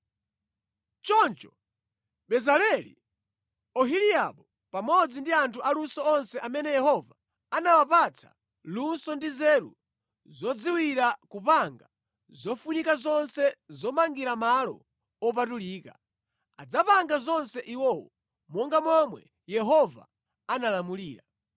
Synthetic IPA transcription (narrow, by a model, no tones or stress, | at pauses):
t͡ʃɔnt͡ʃɔ | ɓɛzalɛlḭ | ɔɦiliaɓɔ | pamɔd͡zindiantʰuʔalunsɔɔnsɛʔamɛnɛjɛɦɔva | anawapat͡sʰa̰ | lunsɔndizɛɾṵ | zɔd͡ziwiɾakupaŋɡa | zɔfunikazɔnsɛzɔmaŋɡiɾamalɔ̰ | ɔp̬atuliːka̰ | a̰d͡zapaŋɡazɔnsɛʔiwɔwɔ | mɔŋɡamɔmwɛ | jɛɦɔva̰ | analamuliːɾa